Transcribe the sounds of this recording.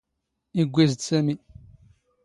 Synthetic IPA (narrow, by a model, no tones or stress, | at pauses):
iɡʷːizd̪sæmi